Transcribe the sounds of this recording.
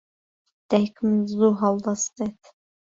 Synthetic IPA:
d̪̥ɛjkʰmzuɦɑlˠd̪ɑst̪ɛt̪

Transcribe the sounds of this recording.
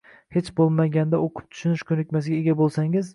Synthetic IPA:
he̞t͡ʃbolˠmaɡʲand̪aoqʰʊ̥p̚t̪ʰʊ̥ʃʊnɪʃkʲʰɵnɪk̚ʲmas̬ɪɡʲaeɡʲabolˠsaŋɪz

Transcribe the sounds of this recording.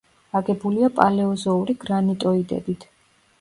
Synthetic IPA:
aɡɛbuliapʼalɛɔzɔuɾiɡ̥ɾanit̪ʼɔid̪ɛ̰bit̪ʰ

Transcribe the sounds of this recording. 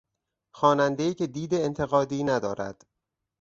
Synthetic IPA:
xɒːnænd̪ejiːce̞d̪iːd̪eːnt̪ʰe̞ɣɒːd̪iːnæd̪ɒːɾæ̰d̪̥

